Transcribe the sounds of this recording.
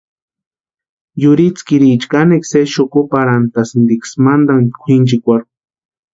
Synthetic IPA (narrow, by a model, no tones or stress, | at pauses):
jʊɾit͡skiɾiːt͡ʃkanekseʃokopaɾant̪asnd̪iksmand̪aŋkʷʰint͡ʃikʷaɾk